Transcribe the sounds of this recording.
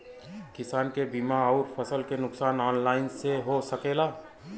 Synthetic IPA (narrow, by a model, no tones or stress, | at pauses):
kɪsaːnkebiːmaɔʊɾpʰəsəlkenʊksaːnɔːnlaːɪnseɦosəkeːlaː